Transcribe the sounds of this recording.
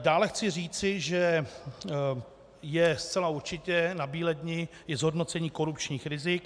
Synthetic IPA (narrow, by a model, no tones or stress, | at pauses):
daːlɛxt͡sɪr̝iːt͡sɪʒɛ | jɛst͡sɛlauɾt͡ʃɪcɛnabiːlɛdɲɪjɛzɦodno̞t͡sɛɲiːko̞ɾupt͡ʃɲiːxɾɪzɪk